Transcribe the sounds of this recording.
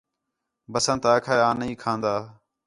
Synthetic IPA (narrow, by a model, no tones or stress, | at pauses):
bəsãːt̪aːkʰaːaːnĩːkʰãːnd̪aː